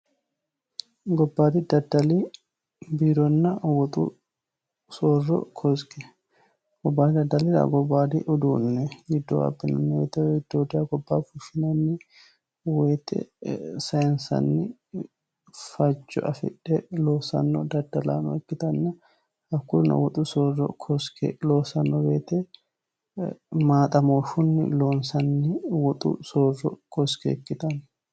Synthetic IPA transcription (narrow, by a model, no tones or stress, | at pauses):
ɡɔbːaːd̪ɪd̪ɐd̪ɐli | biːɾɔnːɐwɔt̪ʼṵ | soːrːɔ̰kʰɔskɛ | ɡ̥ɔbːaːnɪd̪ɐd̪ːɐlɪd̪a̰ɡɔbːaːd̪ɪʔʊd̪uːnːɛɡɪd̪ːo̰ːɐ̰bːɪnɐnːwḛːt̪ɛɪd̪̥ːoːd̪ɪaɡɔbːaːfʊʃɪnɐnːɪ | weːt̪ʼɛ̰sɐjɪnsɐ̰nːɪ | fɐd͡ʒːɔ̰ʔɐfɪ̰ᶑːɛlo̞ːsɐ̰nːɔd̪ɐd̪ɐla̰ːnɔ̰ɛkːɪt̪ɐnːɐ | ɐkːʊɾnɐ̰wɔt̪ʼʊsoːrːɔ̰kʰɔskelo̞ːsɐnːɔbeːt̪ɛ | maːt̪ʼɐmo̞ːʃʊnːɪ̰lo̞ːnsɐnːɪwɔt̪ʼʊ̰soːrɔ̰kʰɔskɛ̰kːɪt̪ɐn